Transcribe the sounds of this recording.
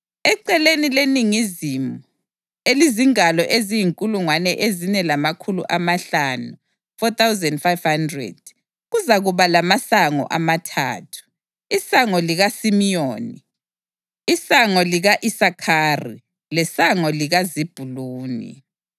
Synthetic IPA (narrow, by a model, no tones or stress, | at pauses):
ɛǀɛlenileniŋizimu | eliziŋalɔʔezijiŋkʼuluŋwanɛʔezinɛlamakʰulṵʔamaɬanu | fɔt̪awzɛndfajvhandrɛ̰d̥̚ | ɣuzaɣuβalamasaŋɔ̰ʔamatʰa̰ːtʰu̥ | isaŋɔliɣasimijoːniː | saŋɔliɣaʔisakʰaːrḭ | lɛsaŋɔliɣazib̥ʱuluːnḭ